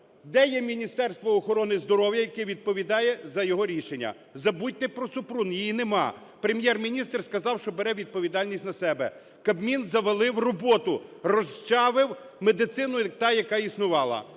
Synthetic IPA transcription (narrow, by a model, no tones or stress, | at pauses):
d̪ɛjɛmʲinʲist̪ɛrst̪ʋɔːxɔɾɔnɪzd̪ɔɾɔwjɐjɐkɛʋʲid̪̚pɔʋʲid̪ɑjɛzɐjɔɦɔɾʲiʃenʲːɐ̰ | zɐbut̚ʲt̪ɪpɾɔsʊpɾunjijinemɑ | pɾemʲjɛrmʲinʲist̪rskɐzɑwʃt͡ʃɔbeɾɛʋʲid̪̚pɔʋʲid̪ɑlʲnʲisʲtʲnɐsɛbɛ̰ | kɐbmʲinzɐʋelˠɪwrɔbɔt̪ʊrɔst͡ʃɑʋɪw | med̪ɪt̪sɪnʊt̪ɑjɐkɑisnʊʋɑlˠɐ̰